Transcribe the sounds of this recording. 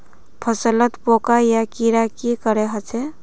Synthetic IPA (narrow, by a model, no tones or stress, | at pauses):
pʰəsələt̪pokajakiɾakikəɾeɦət͡ʃʰɛ